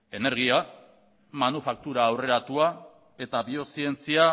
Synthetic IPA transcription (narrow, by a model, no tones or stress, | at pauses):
e̞ne̞ɾɣ̞ia | manufak̚t̪uɾaːwre̞ɾat̪ua | e̞t̪aβio̞sie̞nt͡sia